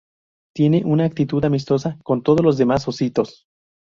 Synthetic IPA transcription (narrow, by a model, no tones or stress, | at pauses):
t̪je̞ne̞ʔunaːk̚t̪it̪uðamis̬t̪o̞sako̞nt̪o̞ð̞o̞zlo̞zðe̞mas̬o̞sit̪o̞s